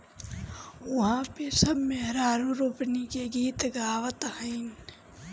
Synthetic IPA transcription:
ɐɦãːpesɐbmeɦɾaːɾõɾopnikeɡiːt̪ɡaːʋət̪həɪn

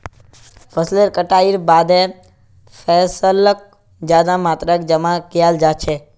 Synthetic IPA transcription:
pʰəsleɾkəʈaiɾbad̪e | fʰɛsələk̚ | d͡ʒjad̪ãmat̪ɾəkd͡ʒəmãkijald͡ʒat͡ʃʰe

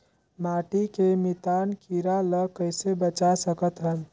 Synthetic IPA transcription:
maʈikemit̪ankiɾaləkəjsebət͡ʃasəkət̪ɦəl

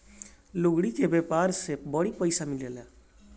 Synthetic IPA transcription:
loɡɽikebepaɾsebʌɽipəɪsamilele

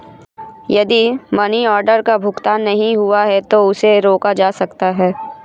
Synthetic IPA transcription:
jɐd̪imɐniɔːɾɖəɾkabʱʊkt̪aːnːɐɦĩɦuaɦɛt̪oʊseɾoːkad͡ʒaːsɐkt̪aɦɛː

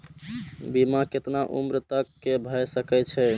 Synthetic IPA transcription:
bimaket̪naʔṵmɾət̪əkːebʱəjsəkɛt͡ʃʰɛ

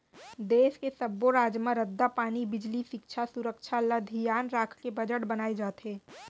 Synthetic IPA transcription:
d̪eːskesɐbːoɾaːd͡ʒmãɾəd̪ːapaːnibɪd͡ʒliʃɪkʃʰasʊɾəkʃʰaləd̪ʱijaːnɾaːkʰkebəd͡ʒəʈbɐnaːed͡ʒaːt̪ɦeː

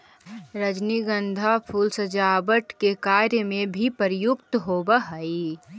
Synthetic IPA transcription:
ɾəd͡ʒniɡənd̪ʱapʰuːlsəd͡ʒaːbəʈkekaːɾjəmẽbʱipəɾjʊkt̪ɦobəɦəi

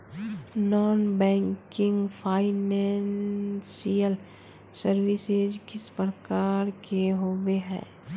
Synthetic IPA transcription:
nɔːnbɛ̃ːŋkɪ̃ŋɡpʰaːɪnɛːnsijəl | səɾʋɪsed͡ʒkɪspɾəkaːɾkeɦoːweɦɛ̰ː

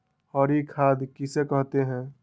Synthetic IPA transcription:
hɔːɾikʰaːd̪kisekəɦt̪eɦɛ̃ː

